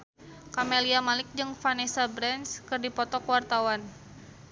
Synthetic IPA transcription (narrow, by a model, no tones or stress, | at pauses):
kameliamalɪk̚d͡ʒɨŋfanɛsabɾɛnskɨrdipɔt̪ɔkwart̪awan